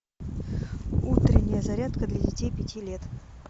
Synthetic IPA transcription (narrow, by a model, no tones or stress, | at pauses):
ut̪ɾʲɪnʲːɪjəzɐɾʲat̪kəd̪lʲɐdʲɪtʲejpʲɪtʲilʲet̪